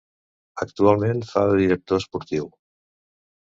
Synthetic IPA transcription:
əkt̪ualˠmenfaðiɾək̚t̪oəspuɾt̪iw

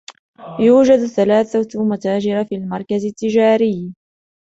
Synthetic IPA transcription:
juːd͡ʒad̪θalaːθat̪mat̪aːd͡ʒɪɾafilmɑɾˤkazɪt̪ːɪd͡ʒaːɾɪj

